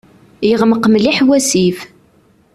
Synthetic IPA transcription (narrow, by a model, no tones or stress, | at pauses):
jəʁməqːmliħwæsif